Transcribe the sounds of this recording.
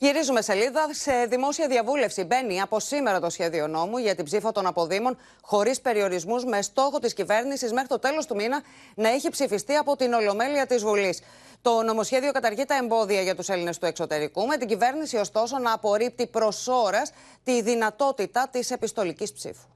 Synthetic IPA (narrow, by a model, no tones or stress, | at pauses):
ʝiɾizume̞se̞liðɐse̞ðimo̞siɐðiɐvule̞fsibe̞niɐpo̞sime̞ɾɐt̪o̞sçe̞ðio̞no̞muʝɐt̪ibzifɐt̪o̞nɐpo̞ðimo̞n | xo̞ɾispe̞ɾio̞ɾizmuzme̞st̪o̞xo̞t̪iscive̞ɾnisizme̞xɾit̪o̞t̪e̞lo̞st̪uminɐ | nɐeçipsifist̪iɐpo̞t̪ino̞lo̞me̞liɐt̪izvulis | t̪o̞no̞mo̞sçe̞ðio̞kɐt̪ɐɾʝit̪ɐe̞mbo̞ðiɐʝɐt̪use̞line̞st̪ue̞kso̞t̪e̞ɾikume̞t̪iɟive̞ɾnisio̞st̪o̞so̞nɐːpo̞ɾip̚t̪ipɾo̞so̞ɾɐs | t̪iðinɐt̪o̞t̪it̪ɐt̪ise̞pist̪o̞licispsḭfu̥